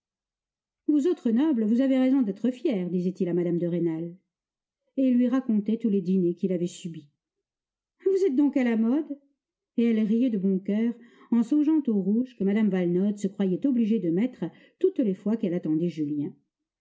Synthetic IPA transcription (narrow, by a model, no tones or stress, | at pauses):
vuzot̪χənɔblvuzaveʁɛzɔ̃d̪ɛt̪χəfjɛʁd̪izɛt̪ilamad̪amd̪əʁenal | eilːɥiʁakɔ̃t̪ɛt̪uled̪inekʲilavɛsybi | vuzɛt̪̚d̪ɔ̃kalamɔd̪ | eɛlʁijɛd̪əbɔ̃kœːʁ | ɑ̃sɔ̃ʒɑ̃t̪oʁuʒkəmad̪amvalnɔd̪səkχwajɛt̪ɔbliʒed̪əmɛt̪χə | t̪ut̪lefwakɛlat̪ɑ̃d̪ɛʒyljɛ̃